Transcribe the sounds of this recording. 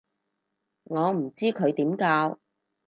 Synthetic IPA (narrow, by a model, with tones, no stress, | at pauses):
ŋɔː˨˧m̩˨˩t͡siː˥kʰɵ˨˧ɥt̪iː˨˥mkaː˧w